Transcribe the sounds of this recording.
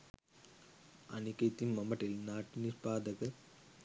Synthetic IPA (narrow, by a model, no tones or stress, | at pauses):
ʔɐnɪkːɐɪt̪ːinmɐmːɐʈːɪlnaːʈːiniɾbaːd̪ɐɣɐɾ